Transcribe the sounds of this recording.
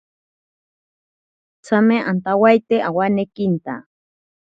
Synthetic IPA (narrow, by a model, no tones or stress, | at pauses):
t͡sameʔant̪awajt̪eʔawanekint̪a̰